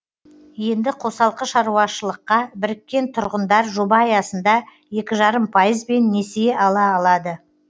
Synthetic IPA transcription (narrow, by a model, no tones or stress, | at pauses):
je̞nd̪ɪqʰo̞sɑlˠqəʃɑɾuɑʃəlˠəqːɑbɪɾɪkʲːe̞nt̪ʰʊɾʁənd̪ɑɾʒobɑjɑsənd̪ɑ | je̞kʲɪʒɑɾəmpʰajəzbe̞nːe̞seɑlˠɑːlˠɑd̪ə